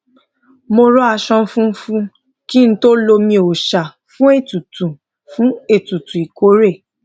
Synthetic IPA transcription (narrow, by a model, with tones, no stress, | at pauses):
mo˧ɾɔ˦a˧ʃɔ̃˧˦fũ˦fũ˦ | ki˦n̩˦to˦lo˧mĩ˧o˨ʃa˨ | fũ˦e˦˨tu˨tũ˨ | fũ˨˦e˦˨tu˨tũ˨i˨ko˨˦ɾe˦˨